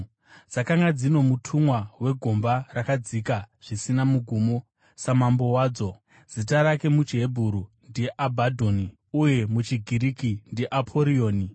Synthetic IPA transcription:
d͡zakaŋɡad͡zino̞mutʰumwawe̞ɡʱo̞mbarakad͡zikaʐ̥isinamuɡʱumo | samambo̞waːd͡zo̞ | z̥itaɾake̞mut͡ʃiɦebʱuɾundiʔabʱadʱoni | uje̞mut͡ʃiɡʱiɾikindiʔapʰo̞ɾio̞ːni

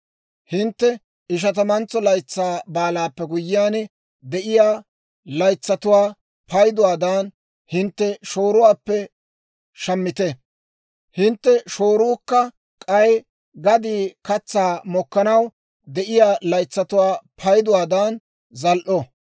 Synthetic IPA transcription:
hɪnt̪ːɛ | ɪʃ̬ɐt̪ɐmɐnt͡sɔlɐjt͡sːaːbaːlaːpːɛɡʊjːɪjaːnɛ | d̪ɛʔɪjaː | lɐjt͡sːɐt̪ʊwaː | pʰɐjd̪ʊwaːd̪aːn | hɪnt̪ːɛʃoːɾʊwaːpːɛ | ʃɐmːɪt̪ɛ | hɪnt̪ːɛʃoːɾʊːkːɐ | kʼɐj | ɡɐd̪iːkɐt͡sːaːmɔkːɐnɐw | d̪ɛʔɪjaːlɐjt͡sːɐt̪ʊwaːpʰɐjd̪ʊwaːd̪aːn | zɐlʔɔ

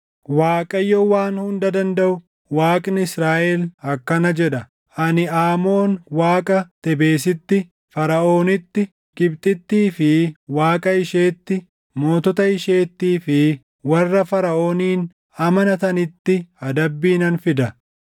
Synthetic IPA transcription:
waːkʼɐjːɔwaːnhʊnd̪ɐd̪ɐnd̪ɐʔʊ | waːkʼnɪɪsɾaːʔɛlɐkːɐnɐd͡ʒɛᶑɐ | ʔɐnɪaːmo̞ːnwaːkʼɐt̪ɛbe̞ːs̬ɪt̪ːɪ | fɐɾɐʔo̞ːnɪt̪ːɪ | ɡɪbt̪ʼɪt̪ːiːfɪwaːkʼɐɪʃeːt̪ːɪ | mo̞ːt̪ɔt̪ɐɪʃe̞ːt̪ːiːfɪ | wɐrːɐfɐɾɐʔo̞ːniːn | ɐmɐnɐt̪ɐnɪt̪ːɪɐd̪ɐbːiːnɐnfɪd̪ɐ

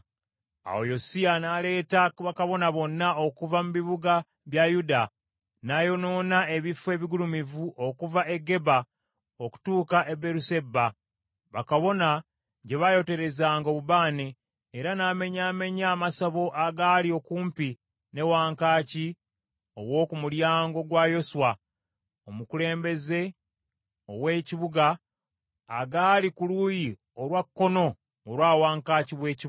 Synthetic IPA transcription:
a̰ojo̞sianaːle̞ːtaβakaβo̞naβo̞nːao̞kuvamuβiβuɡa | βjajuda | naːjo̞no̞ːnae̞βifwe̞ːβiɡulumivuʔo̞kuvaʔe̞ɡːe̞ba | oku̥tuːkaʔe̞be̞ɾuse̞bːa | βakaβo̞na | ɟe̞βajo̞te̞ɾe̞zaːŋɡo̞ːβuβaːneː | ɾanaːme̞ɲaːme̞ɲaːmasaβo̞ʔaɡalio̞kuːmpi | ne̞waːŋkaːci | o̞̰wo̞ːkumuljaːŋɡo̞ɡwaːjo̞swa | omukule̞ːmbe̞ze̞ | o̰we̞ːciβuɡaː | ɡaːlikuluji | oɾwakːo̞no̞ː | ɾwaːwaːŋkaːciβwe̞ːci

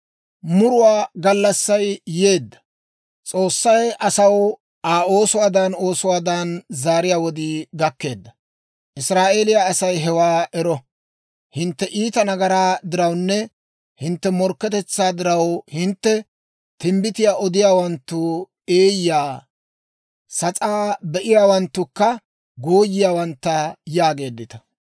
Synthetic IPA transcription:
mʊɾʊwaːɡɐlːɐsːɐjje̞ːd̪ːɐ̥ | t͡sʼo̞ːsːɐjʔɐsɐw | ʔaːo̞ːsʊwaːd̪ɐno̞ːsʊwaːd̪anzaːɾɪjaːwɔd̪iɡ̪ɐkːe̞ːd̪ːɐ | ʔɪsɾaːʔeːlɪjaːsɐjɦɛwaːʔɛɾɔ | hɪnt̪ːɛʔiːt̪ɐnɐɡɐɾaːd̪ɪɾɐwnːɛ | hɪnt̪ːɛmɔɾkːɛt̪ɛt͡sːaːd̪ɪɾɐwhɪnt̪ːɛ | t̪ɪmbɪt̪ɪjaːʔɔd̪ɪjaːwɐnt̪ːʊ | eːjjaː | sɐt͡sʼaːbɛʔɪjaːwɐnt̪ːʊkːɐ | ɡoːjːɪjaːwɐnt̪ːɐjaːɡe̞ːd̪ːɪt̪ɐ̥

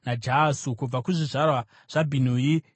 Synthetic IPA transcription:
nad͡ʒaːsukub͡vakuʐiʐarwa | ʐ̥abʱin̤uji

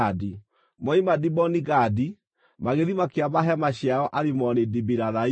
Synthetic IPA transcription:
adi | mɔimadibɔniɣadi | maɣeðimakeaβaɦɛmaɕjaɣɔʔaɾemɔnedibiɾaða

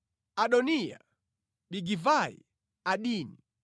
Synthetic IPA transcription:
aɗɔnija̰ | ɓiɡivaḭ | aɗiːni

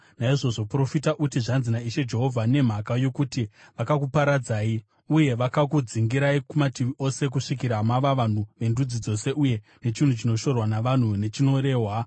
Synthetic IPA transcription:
naiʐo̞ʐo̞pro̞fitaʔutiʐanzinaiʃe̞d͡ʒe̞ɦo̞vʱane̞m̤akajo̞kutiʋakakupaɾad͡zaːi | uje̞ʋakakud͡ziŋɡiɾaikumatiʋiʔo̞se̞k̬uʂikiɾamaʋaʋan̤uʋe̞ndud͡zid͡zo̞se̞uje̞ | ne̞t͡ʃin̤ut͡ʃino̞ʃo̞rwanaʋan̤une̞t͡ʃino̞ɾe̞ːɦwa

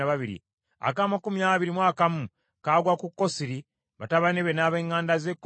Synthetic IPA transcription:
aβaβiɾḭ | a̰kaːmakumjaːβiɾimwaːkamu | kaːɡwakukːo̞siɾi | βataβaneβenaːβe̞ːŋːaːndazekː

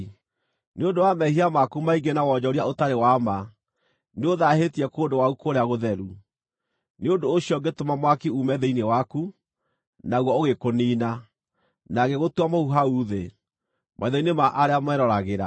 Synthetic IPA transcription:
neondowamɛhiamakumaiɡenawɔd͡ʑɔɾiaotaɾewama | neoðaɦetiɛkoːndowaukoɾeaɣoðɛɾu | neondoːɕiɔɡetomamwakiumɛðeinewaku | naɣwɔoɣekoniːna | naɣeɣotwamouɦauːðe | mʔaiðɔinemaʔaɾeamwɛɾɔɾaɣeɾa

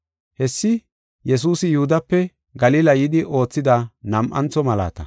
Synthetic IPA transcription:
hɛsːɪ | jɛs̬uːsɪjʊhʊd̪ɐpːɛ | ɡɐliːlɐjɪd̪ɪʔo̞ːt͡sːɪd̪ɐnɐmʔɐnt͡sːɔmɐla̰ːt̪ɐ

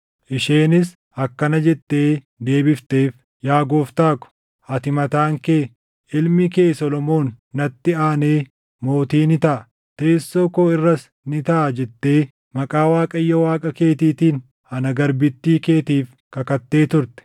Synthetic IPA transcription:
ʔɪʃeːnɪs | ɐkːɐnɐd͡ʒɛt̪ːe̞ː | d̪e̞ːbɪft̪e̞ːf | jaːɡo̞ːft̪aːkʊ̥ | ʔɐt̪ɪmɐt̪aːŋke̞ː | ʔɪlmɪke̞ːsɔlɔmo̞ːnː | ɐt̪ːɪaːne̞ː | mo̞ːt̪iːnɪt̪ɐʔɐ | t̪e̞ːsːoːkoːɪrːɐs | nɪt̪ɐʔɐd͡ʒɛt̪ːe̞ː | mɐkʼaːwaːkʼɐjːɐwaːkʼɐke̞ːt̪iːt̪iːn | ɐnɐɡɐɾbɪt̪ːiːke̞ːt̪iːf | kɐkɐt̪ːe̞ːt̪ʊɾt̪ɛ̥

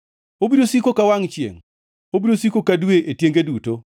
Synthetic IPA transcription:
obiɾosikokawaŋt͡ʃjḛŋ | obiɾosikokadweʔetjeŋɡeduto

